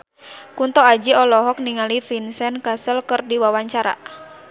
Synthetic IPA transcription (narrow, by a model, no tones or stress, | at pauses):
kunt̪ɔad͡ʒiɔlɔɦɔk̚niŋalifinsɛnkasəlkərdiwawaɲt͡ʃaɾa̰